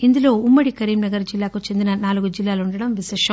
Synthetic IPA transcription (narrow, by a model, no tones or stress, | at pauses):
ind̪ulo̞ːumːɐɽikɐɾiːmnɐɡɐɾd͡ʒilːaːkut͡ʃend̪inɐnaːluɡud͡ʒilːaːluɳɖɐɽɐmʋiʃɛːʂɐm